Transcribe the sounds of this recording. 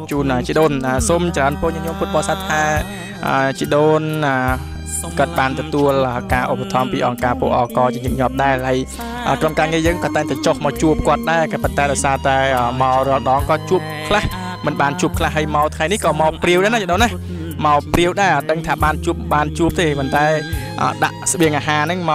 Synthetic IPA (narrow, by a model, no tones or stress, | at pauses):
t͡ɕuːnʔəːt͡ɕiəɗoːnʔəːsoːmt͡ɕraənpoːɲɛəŋɲoːmput̪̚ɓəsat̪ʰːaː | ʔəːt͡ɕiəɗoːnəː | kŏət̪̚ɓaːnt̪ɔt̪uələːkaːʔopːat̪ʰɑmpiːʔɑŋkaːpuəʔɑːkɑːt͡ɕiəɲup̚ɲŏəp̚ɗaɛlhəj | ʔə̰ːkromkaːŋiəjəːŋkɑːt̪aɛŋt̪aɛt͡ɕohmaɔwt͡ɕuəp̚kŏət̪̚ɗaɛkɑːpont̪aɛɗɑɔjsaːt̪aɛəːmaɔrɔ̆əlɗɑːŋkɑːt͡ɕuəp̚kʰlah | mɨnɓaːnt͡ɕuəp̚kʰlahːəjmaɔt̪ʰŋajnihkɑːmaɔpriəwʔɗanat͡ɕiəɗoːnːah | maɔpriəwɗaɛʔəːɗəŋt̪ʰaːɓaːnt͡ɕuəp̚ɓaːnt͡ɕuəp̚t̪eːpont̪aɛ | ʔə̰ːɗa̰ʔsə̆ɓiəŋʔaːɦaːnɨŋma